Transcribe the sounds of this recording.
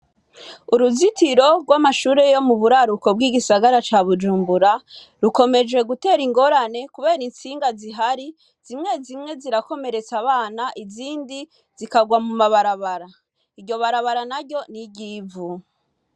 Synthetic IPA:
uɾuzitiɾo̞ɡwamaʃuːɾe̞jo̞muβuɾaɾuko̞b̚ɡiːɡisaɡaɾat͡ʃaβud͡ʒuːmbuɾa | ɾuko̞me̞d͡ʒe̞ɡute̞ːɾiŋɡo̞ɾane̞kuβe̞ːɾinsiːŋɡaziɦaɾi | z̥imŋe̞zimŋe̞ziɾako̞me̞ɾe̞t͡saβaːnaʔiziːndi | zikaɡwamumaβaɾaβaɾa | iɟo̞βaɾaβaɾanaɾɟo̞niɟiːvu

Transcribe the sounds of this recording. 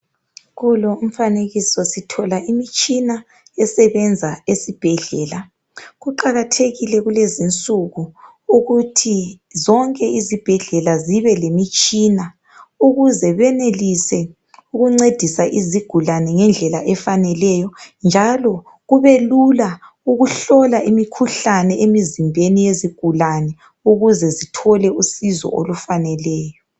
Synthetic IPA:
ɣuloum̩faneɣisɔsitʰɔlaʔimit͡ʃʼina | ɛsɛβɛnd͡zʱaesib̥ʱɛɮɛːla | ɣuǃaɣatʰeɣilɛɣulezint͡sʼuɣu | uɣutʰi | zɔŋkʼɛizib̥ʱɛɮɛlaziβɛlemit͡ʃʼina | uɣuzɛβɛnelisɛ | uɣuŋ͡ǀed̥ʱisaʔiziɡ̥ʱulanɛŋɛnd͡ɮʱɛlaʔɛfanɛlɛjɔnd͡ʒʱalɔ | ɣuβelula | uɣuɬɔlaʔimikʰuɬanɛʔemizimbʱenijeziɡ̥ʱulanɛ | uɣuzɛzitʰɔlɛusizɔ̰olufanɛlɛːjɔ

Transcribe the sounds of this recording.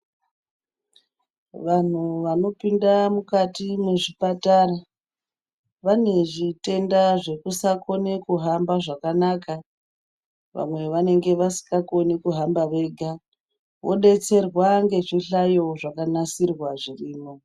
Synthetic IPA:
ʋan̤uʋano̞pindamukatimeʐipatara | ʋane̞ʐite̞ndaʐe̞kusako̞ne̞kuɦambaʐakanaka | ʋa̰mwe̞ʋane̞ŋɡe̞ʋasi̥kako̞nekuɦambaʋe̞ɡʱa | ʋo̞̰ɗe̞t͡se̞rwaŋɡe̞ʐiɬajo̞ʐakanasirwaʐiriːmo̞

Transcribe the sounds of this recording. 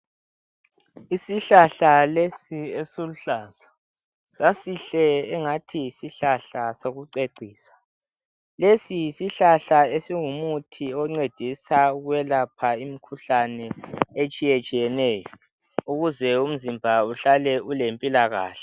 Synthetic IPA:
isiɬaɬalesiesoluɬaːza | sasiɬɛɛŋatʰisiɬaɬasoɣuǀeǀʱiːsḁ | lesijsiɬaɬaesiŋumutʰiɔŋ͡ǀed̥ʱisauɣwɛlapʰaimikʰuɬanɛet͡ʃʼijɛt͡ʃʼijɛnɛːjɔ | uɣuzɛum̩zimbʱauɬalɛulempʼilaɣa̰ːɬɛ̥

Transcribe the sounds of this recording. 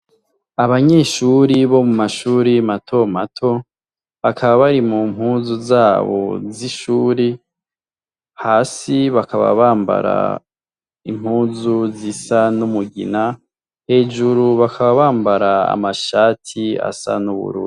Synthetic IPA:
aβaɲe̞ːʃuɾiβo̞mumaʃuːɾimatʰo̞matʰo̞ | βakʰaβaβaɾimumhuːnzuzaːβo̞̰ziʃuːɾi | haːsiβakaβa̰βaːmba̰ɾa̰ | im̥huːnzuzisanumuɡḭna | he̞ːʒuɾuβakʰaβaβaːmbaɾaa̰maʃaːtʰia̰sa̰nuβṵɾṵːdi

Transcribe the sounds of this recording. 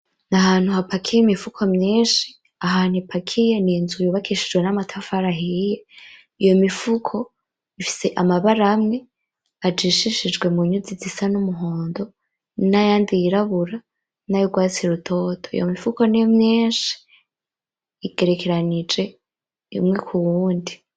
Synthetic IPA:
nahaːn̥huhapakʰijemifukʰomɲiːnʃi̥ | aɦaːnhipʰakʰije̞niːnzujoβakʰiʃid͡ʒwe̞namatʰafaɾaɦije | ijo̞mifukʰo̞ | ifi̥se̞ʔamaβaɾamŋe̞ | ad͡ʒiʃiʃid͡ʒɡwe̞muɲud͡zizisanumuɦo̞ːndo̞ | najaːndijiɾaβuɾa | najoɡwaːt͡siɾutʰo̞ːtʰoḭjomifuko̞nijomɲeːnʃi̥ | iɡ̥e̞ɾe̞kʰe̞ɾanid͡ʒe̞ | imŋe̞kʰuwuːndi

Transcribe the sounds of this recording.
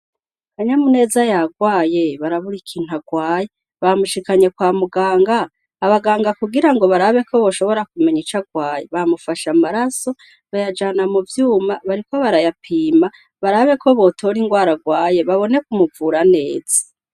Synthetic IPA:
haɲamune̞ːzajaɡwaːje̞βaɾaβuɾikʰin̥ɦaɡwaːje | βamuʃikaɲe̞kwaːmuɡaːŋɡaː | βaɡaːŋɡakuɡiɾaŋɡo̞βaɾaβe̞ko̞βo̞ʃo̞βo̞ɾakume̞ɲit͡ʃaɡwaːje̞βamufaʃamaɾaso̞ | βajad͡ʒaːnamuvjuːmaβaɾiko̞βaɾajapʰiːma | βaɾaβe̞kʰo̞βo̞tʰo̞ɾiŋɡwaːɾaɡwaːje̞βaβo̞ne̞kumuvuɾane̞ːz̥ḁ

